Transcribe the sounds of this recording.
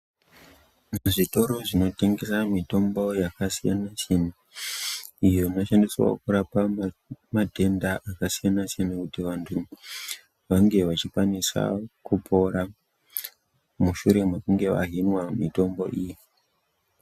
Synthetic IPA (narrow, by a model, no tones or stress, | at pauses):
nʐito̞ɾo̞ʐino̞te̞ŋɡe̞samito̞mbo̞jakasija̰nasena | ijo̞ino̞ʃandiswo̰kuɾapamadʱe̞ndaʔakasijanasijanakutiʋantʰu | ʋaŋɡe̞ʋat͡ʃikwanisa̰kupʰo̞ɾa | muʃuɾe̞mekuŋɡe̞ʋa̰ɦinwamito̞mbo̞̰ʔiji